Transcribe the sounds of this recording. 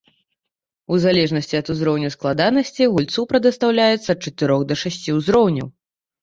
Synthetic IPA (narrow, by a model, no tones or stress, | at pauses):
uzalʲɛʐnɐsʲt͡sʲiɐt̪uzɾɔwnʲɐwsklˠad̪anɐsʲt͡sʲiɣulʲt̪supɾɐd̪ɐst̪awlʲajɛt̪sːɐːt̪̚t͡ʂɐt̪ɨɾɔxd̪ɐʂasʲt͡sʲiuzɾɔwnʲɐ̰w